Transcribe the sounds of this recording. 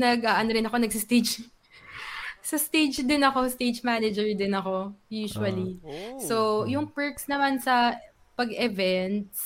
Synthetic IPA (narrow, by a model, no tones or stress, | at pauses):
nɐɡʔaʔɐnoɾɪnɐko̞nɐɡ̚sɐst̪ed͡ʒ | sɐst̪ed͡ʒd̪ɪnɐko̞st̪ed͡ʒmanɛd͡ʒɛɹd̪ɪnɐko̞juːʃʊɐlisojʊŋpɛɹksnɐmansɐ | pɐɡɛvɛnt̪s